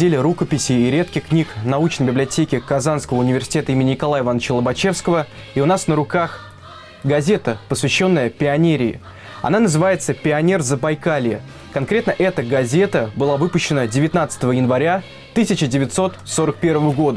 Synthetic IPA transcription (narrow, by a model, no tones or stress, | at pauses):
dʲelʲɪɾukəpʲɪsʲɪːɾʲe̞t̪̚kʲɪxknʲiknɐut͡ɕnəjbʲɪblʲɪɐtʲekʲɪkɐzanskəvəʊnʲɪvʲɪrsʲɪ̥tʲet̪əimɪnʲɪnʲɪkɐlˠajɪvanːət͡ɕəlˠəbɐt͡ɕe̞fskəvə | iʊnasnəɾʊkax | ɡɐzʲe̞t̪əpəsvʲɪɕːo̞nːəjəpʲɪɐnʲeɾʲɪɪ̰ | ɐ̰nanəzɨvajɪt̪səpʲɪɐnʲe̞rzəbɐjkalʲɪjɪ̰ | kɐnkɾʲe̞t̪nəʔɛt̪əɡɐzʲe̞t̪əbɨlˠavɨpʊɕːɪnədʲɪvʲɪt̪nat̪sə̥t̪əvəjɪnvɐɾʲa | t̪ɨsʲɪt͡ɕɪdʲɪvʲɪt̪so̞t̪so̞ɾək̚pʲe̞rvəvəɡo̞d̪ə